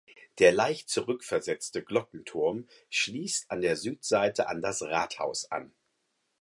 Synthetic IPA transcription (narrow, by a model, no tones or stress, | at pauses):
d̥eːɐlaɪçtt͡suʁʏkfɛɐzɛt͡stəɡlɔkŋ̩tʰʊɐm | ʃliːstandeːɐzyːtz̥aɪtʰəʔa̰ndasʁaːtha̰ʊsʔa̰n